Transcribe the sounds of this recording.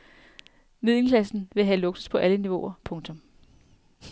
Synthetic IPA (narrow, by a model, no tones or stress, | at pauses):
mið̰ˠl̩kʰlæsn̩ʋe̝ɦælɔ̽ɡ̥spʰɒ̽ʔæləniʋo̝ɐpʰɔ̽ŋt͡sʰɒ̽m